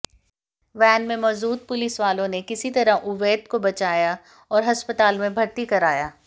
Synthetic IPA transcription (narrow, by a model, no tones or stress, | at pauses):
ʋɛːnmẽmɔːzuːt̪̚pʊlɪsʋaːlõnekɪsit̪ɐɾaʔʊʋeːt̪kobɐt͡ʃaːja | ɔːɾɦɐspət̪aːlmẽbʱɐɾt̪ikɐɾaːjaː